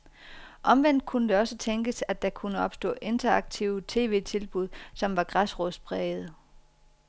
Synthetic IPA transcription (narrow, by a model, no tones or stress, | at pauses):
ʔɒ̽mʋen̰d̥̚kʰunəd̥e̝ɒ̽sət͡sʰeŋɡ̥əsædd̥ɑ̈kʰunəɒ̽b̥sd̥ɔ̰̽ːʔe̝nd̥ɐɑ̈ɡ̥̚t͡sʰiʊət͡sʰe̝̰ːʋe̝̰ːt͡sʰe̝lb̥uð̞̰ˠsɒ̽mʋɑ̈ɡ̥ʁasʁɔs̚b̥ʰʁɛːð̩ˠ